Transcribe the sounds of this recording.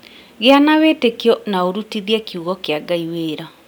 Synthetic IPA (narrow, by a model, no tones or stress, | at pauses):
ɣeanawetekijɔnaoɾutiðiɛkiuɣɔkeaɡaiweːɾa